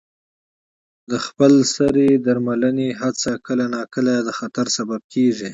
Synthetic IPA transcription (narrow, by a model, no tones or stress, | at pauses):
d̪əxpəlsaɾed̪aɾmalaneɦat͡sakəlanɑkəlad̪əxat̪aɾsabab̚kʰeʐi